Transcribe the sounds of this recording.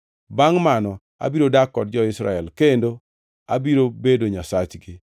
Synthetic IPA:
baŋmanɔ | a̰biɾodakːɔt̚d͡ʒɔɪsɾa̰ɛlkendo | abiɾobedoɲasat͡ʃɡɪ

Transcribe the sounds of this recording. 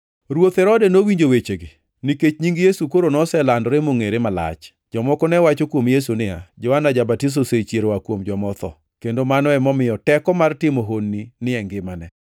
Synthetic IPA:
ɾwot̪ɛɾɔdɛnowiɲd͡ʒowet͡ʃeɡe | nɪket͡ʃɲiŋɡjesukoɾonɔsɛlandɾemoŋeɾemala̰t͡ʃ | d͡ʒɔmɔkɔnɛwat͡ʃokwomjes̬unɪa̰d͡ʒɔanad͡ʒabatis̬oset͡ʃjeɾowakwomd͡ʒɔmɔt̪ɔ̰ | kendomanɔɛmɔmɪjɔtɛkɔmartɪmoɦonːinɪɛŋɡɪmanɛ

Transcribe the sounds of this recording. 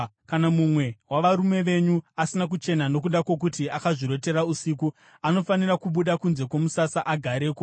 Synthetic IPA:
kanamumwe̞waʋaɾume̞ʋe̞ɲuasinak̬ut͡ʃe̞nano̞kuɗako̞k̬utiakaʐiɾo̞te̞ɾausiku | ano̞fanirakuɓuɗakunze̞kwo̞musasaʔaɡʱaɾe̞ːko

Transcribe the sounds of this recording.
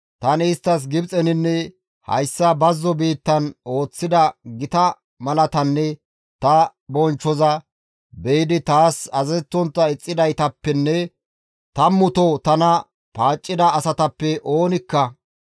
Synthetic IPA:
t̪ɐnɪːst̪ːɐs̬ɡɪbt͡sʼɛnɪnːɛ | hɐ̰jsːɐbɐzːɔbiːt̪ːɐno̞ːt͡sːɪd̪ɐɡɪt̪ɐ | mɐlɐt̪ɐnːɛ | t̪ɐbɔnt͡ʃːɔzɐ | bɛjɪd̪ɪt̪aːsɐzɛt͡sːɔnt̪ːɐɪt͡sʼːɪd̪ɐjt̪ɐpːɛnːɛ | t̪ɐmːʊt̪ɔt̪ɐnɐ | paːt͡ʃʼːɪd̪ɐːsɐt̪ɐpːɛʔo̞ːnɪkːɐ

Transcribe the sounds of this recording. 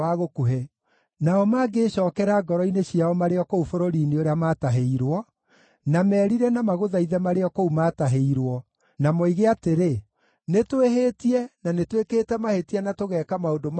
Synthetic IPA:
aɣokuɦɛ | naɔmaːɡeʃɔːkɛɾaɡɔɾɔineɕiaɔmaɾeɔkoufoɾoɾineoɾeamaːtaɦeiɾwɔ | namɛːɾiɾɛnamaɣoðaiðɛmaɾeɔkoumataɦeiɾwɔ | namoiɣeateɾe | netweɦetiɛnanetwekeːtɛmahetiɛnatoɣɛːkamaodom

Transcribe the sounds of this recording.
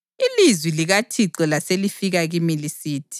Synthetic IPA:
ilizwiliɣatʰiǀɛlaselifiɣaɣimilisiːtʰi̥

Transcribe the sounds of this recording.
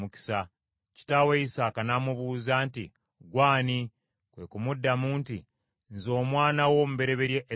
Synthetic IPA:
uki̥sa | ci̥taweisaːkanamuβuːzantḭ | ɡwaːni | kwe̞kumudːamuːnti | nzo̞ːmwaːnawo̞mube̞ɾe̞βeɾje

